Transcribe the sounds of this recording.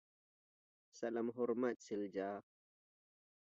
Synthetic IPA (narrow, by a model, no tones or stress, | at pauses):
salamɦɔɾmat̪̚sild͡ʒaː